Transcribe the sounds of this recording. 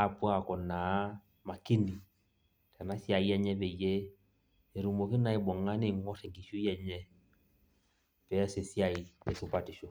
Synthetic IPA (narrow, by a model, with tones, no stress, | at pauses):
a˦˨pwa˦˨kɔ˨na˨˦ | ma˨ki˦ni˨ | ta˨na˦sja˨i˦ɛ˦ɲɛ˦βɛ˨jɛ˦ | e˨ɾu˨mɔ˨ki˦na˦i˦bɔ˨ŋa˦nɪ˦˨ŋɔ˦tɛ˨ɡi˨ʃo˦i˦ɛ˨ɲɛ˦ | pɛ˨˦sɛ˨sja˦˨i˨pɛ˨su˨pa˨ti˨ʃɔ˨